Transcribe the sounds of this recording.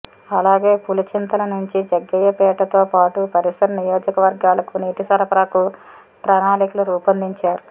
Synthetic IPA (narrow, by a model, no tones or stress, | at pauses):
ɐlaːɡe̞ːpulɐt͡ʃint̪ɐlɐnuɲt͡ʃid͡ʒɐɡːɐjɐpɛːʈɐt̪oːpaːʈupɐɾisɐɾɐnijoːd͡ʒɐkɐʋɐɾɡaːlɐkuniːʈ̪isɐɾɐpɾaːku | pɾɐnaːnikuluɾuːpɐnd̪iɲt͡ʃaːɾu